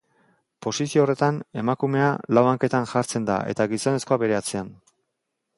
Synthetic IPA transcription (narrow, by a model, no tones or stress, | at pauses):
po̞sisioːre̞t̪ane̞makume̞a̰lawaŋke̞t̪anʝaɾt͡se̞nd̪a̰ʔe̞̰t̪aɡiso̞ne̞sko̞abe̞ɾe̞at͡sean